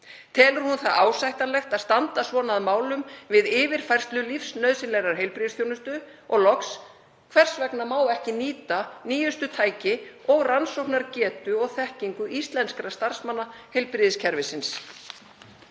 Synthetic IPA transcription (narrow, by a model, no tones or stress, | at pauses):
t̪ʰɛːlʏɾ̥hunθaðaːwsajht̪alɛxt̪aðst̪ant̪asvɔːnaðmaːwlʏmvɪðɪːvɪɾ̥fajr̥st̪lʏlifsnœðsɪnlɛɣɾaɾ̥ɦejlpɾɪðɪsθjownʏst̪ʏɔɣlɔks | kʰvɛr̥svɛknamaːwɛhcɪniːt̪aniːjʏst̪ʏt̪ʰaːjcɪɔɣransowhknaɾcɛːt̪ʏɔɣθɛhciŋkʏʔist̪lɛnskɾast̪ar̥smanːahejlpɾɪðɪscʰɛɾvɪsɪns